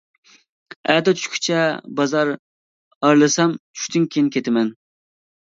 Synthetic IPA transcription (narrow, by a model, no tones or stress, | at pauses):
æd̪ɛt͡ʃ̪ʰy̥ʃkʲʰy̥t͡ʃʰɛbɑzɑɾ | ɑɾlˠɨsɑmt͡ʃʰy̥ʃʲt̪ynkʲʰejinkʲʰet̪ʰɪmɛn